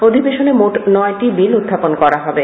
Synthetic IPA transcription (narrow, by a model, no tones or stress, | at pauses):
od̪ʱibeʃonemoʈnɔeʈibilud̪ʱːaponkɔɾaɦɔbe